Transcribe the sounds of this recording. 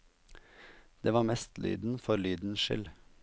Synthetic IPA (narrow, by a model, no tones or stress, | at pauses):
d̪̥eːʋɑːɾmɛst̪ly̰ːd̪n̩fɔɾlyːd̪n̩ʃɪ̰l